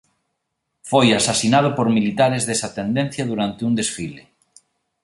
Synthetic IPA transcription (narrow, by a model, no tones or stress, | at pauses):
fojasasinað̞opoɾmilit̪aɾezðesat̪end̪ẽnθjað̞uɾant̪eund̪esfile